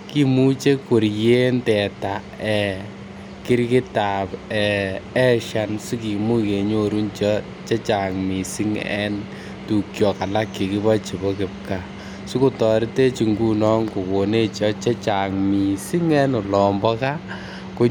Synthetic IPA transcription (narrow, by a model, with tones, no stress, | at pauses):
ki˦mu˦t͡ʃe˦ku˨ɾje˦ntɛ˨ta˨ | ɛ˨ | kɪ˦ɾkɪ˦ta˨pɛ˨ɛ˦ʃa˦nsu˦ki˨mu˦ke˨ɲo˦ɾu˦nt͡ʃɔ˦ | t͡ʃe˦t͡ʃa˨ŋmi˨si˦ŋɛ̰˦n | tu˨kjɔ˨ka˨la˦kːi˨kɪ˦βa˦t͡ʃi˨bɔ˦kɪ˨p̚ka˨ | su˦ku˦tɔ˨ɾi˦te˦t͡ʃi˨ŋɡu˦nɔ˦ŋku˨ko˨ne˦t͡ʃɔ˦t͡ʃe˦t͡ʃa˨ŋmi˨si˦ŋɛ˦nʊ˨lɔː˨mbɔ˦ka˦ | ko˦